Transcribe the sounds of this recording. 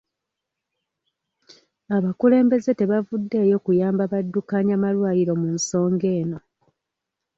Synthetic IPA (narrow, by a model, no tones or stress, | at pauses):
aβakule̞ːmbe̞ze̞te̞βavudːe̞ːjo̞kujaːmbaβadːukaːɲamalwaːjiɾo̞munso̞ːŋɡe̞ːno̞